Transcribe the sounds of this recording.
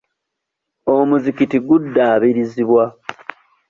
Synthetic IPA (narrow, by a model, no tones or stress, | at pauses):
omuzikitiɡudːaːβiɾiziβwa